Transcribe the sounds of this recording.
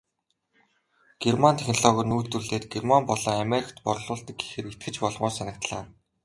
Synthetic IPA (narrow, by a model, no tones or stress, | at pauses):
ɡ̥ermant̪ʰex̆ʲnɮɔːɣɔ̆rnuːt̪uɮeːt̪ɡermampɔɮɞːŋameɾʲikʰt̪pɔrɮʊːɮt̪ə̆ɡ̚ɡi̥xɘ̆rit̪̚ɡɘ̆t͡ɕpɔɮʁʊːsanə̆kt̪ɮa̰ː